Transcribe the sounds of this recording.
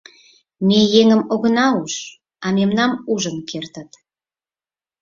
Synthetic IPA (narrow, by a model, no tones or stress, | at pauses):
mejeŋəmoɣənɑuʃ | ɑmemnɑmuʒənkʰert̪ət̪